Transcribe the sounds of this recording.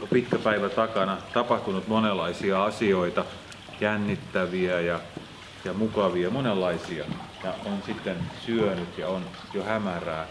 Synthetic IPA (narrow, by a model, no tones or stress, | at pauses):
opit̪kæpæiʋæt̪ɑkɑnɑt̪ɑpɑht̪unut̪monelːɑisiɑɑsioit̪ɑ | jænːit̪ːæʋiæjɑ | jɑmukɑʋiɑmonelːɑisiɑ̰jɑonsit̪ːensyønyt̪jɑon | johæmæræː